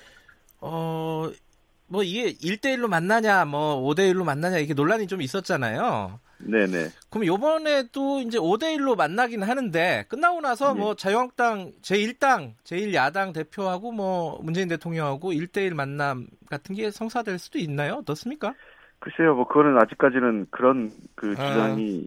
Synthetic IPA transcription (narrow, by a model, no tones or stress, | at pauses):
ʌ | mwʌiɡe̞iɭt͈e̞iɭːomanːaɲamʌode̞iɭːomanːaɲaiɾkʰenoɭːaɲit͡ɕomis͈ʌt̚t͡ɕ͈ana̰jo | ne̞ne̞̰kɯɾʌmjʌbʌne̞doind͡ʑe̞ode̞iɭːomanːaɡinɯnɦanɯnde̞k͈ɯnːaonasʰʌmʌt͡ɕajoŋak̚t͈aŋt͡ɕe̞iɭt͈aŋt͡ɕe̞iɭjadaŋte̞pʰjoɦaɡomʌmund͡ʑe̞inde̞tʰoŋɲʌŋɦaɡoiɭt͈e̞iɭmanːamɡ̥atʰɯnɡe̞sʰʌŋsʰadwe̞ɭs͈udoinːajoʌt͈ʌs͈ɯmɲik͈a | kɯsʰejomʌkɯɡʌnɯnad͡ʑik͈̚ad͡ʑinɯnkɯɾʌnkɯʌŋi